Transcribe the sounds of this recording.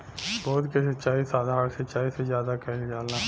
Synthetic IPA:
bɔːt̪kesɐtːʃaːisaːd̪ʱaːɾsɐtːt͡ʃaːisezjaːd̪akɛɦld͡ʒaːla

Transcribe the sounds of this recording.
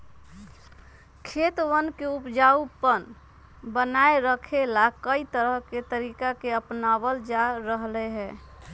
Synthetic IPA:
kʰet̪wənkeupd͡ʒaupən | bənaeɾəkʰelakəit̪əɾəɦket̪əɾikakeəpnabəld͡ʒaɾəɦlɛɦɛː

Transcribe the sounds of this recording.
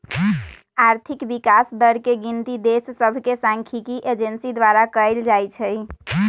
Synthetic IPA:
aɾt̪ʰikbikasd̪əɾkeɡint̪id̪essəbʱkesãŋkʰikiʔed͡ʒensid̪waɾakəjld͡ʒajt͡ʃʰəj

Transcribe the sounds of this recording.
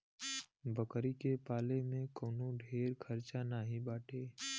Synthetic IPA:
bəkɾikepaːlemẽkoːnoɖʱeːɾkʰəɾt͡ʃanaɦĩbaːʈʰeː

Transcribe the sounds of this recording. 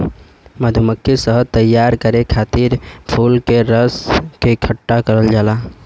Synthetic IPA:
məd̪ʱuməkʰːisəɦt̪əjːaɾkəɾekʰat̪iɾpʰulkeɾəskekʰəʈːakəɾəld͡ʒaːla

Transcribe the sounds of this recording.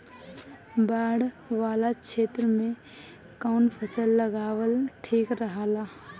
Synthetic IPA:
baːɽ | ʋaːlakʃʰeːt̪ɾəmẽ | kaʊnpʰət͡ʃəlːəɡaːwəlʈʰiːkɾəɦaːlaː

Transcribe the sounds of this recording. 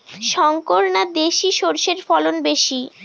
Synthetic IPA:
ʃɔŋkoɾnad̪eʃiʃoɾʃeɾfɔlonbeʃi

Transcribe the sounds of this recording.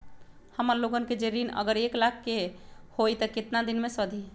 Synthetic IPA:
həməɾloɡənked͡ʒeɾinə̰ɡəɾeklak̚ʰkehojt̪əket̪nad̪inmesəd̪ʱi

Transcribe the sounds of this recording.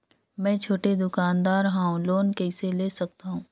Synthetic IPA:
mɛ̃ːt͡ʃʰoːʈed̪ʊkaːnd̪aːɾɦãːɦũloːnkɛːɪseleːsɐk̚t̪aɦũː

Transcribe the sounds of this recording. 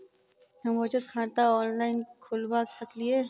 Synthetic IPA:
ɦɐmot͡ʃət̪kʰãːnt̪aɔːnlaːɪnkʰʊlbaːsɐklie

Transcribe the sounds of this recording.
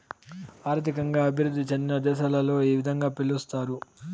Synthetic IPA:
aːɾt̪ʰikɐŋɡaːɐbʱiɾud̪ʱːit͡ʃend̪inɐd̪ɛːʃaːlɐlo̞ːiːʋid̪ʱɐŋɡaːpilːust̪aːɾu

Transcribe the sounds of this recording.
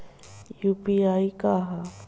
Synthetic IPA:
jupiaikaɦa

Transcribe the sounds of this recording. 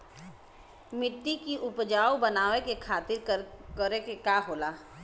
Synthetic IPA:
mɪʈ̪ːikiʔʊpd͡ʒaːobɐnaːʋekekʰaːt̪ɪɾkəɾekekaːɦoːlaː

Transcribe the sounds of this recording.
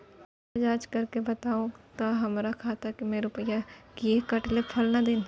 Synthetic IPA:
ɛd͡ʒaːd͡ʒkɐɾkebɐt̪aːũt̪oɦɐmɾakʰat̪ʰakimeːɾʊpəjakiekɐʈlepʰɐlnad̪ɪn

